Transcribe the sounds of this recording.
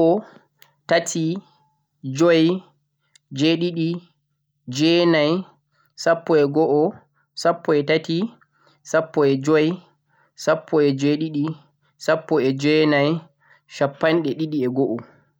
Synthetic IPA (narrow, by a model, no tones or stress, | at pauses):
ɔ | tatʰi | d͡ʒɔj | d͡ʒeɗiɗi | d͡ʒɛnaj | sapːɔɛɡɔʔɔ | sapːɔɛtati | sapːɔɛd͡ʒɔj | sapːɔɛd͡ʒeɗiɗi | sapːɔɛd͡ʒɛnaj | ʃapːanɗɛɗiɗiɛɡɔʔɔ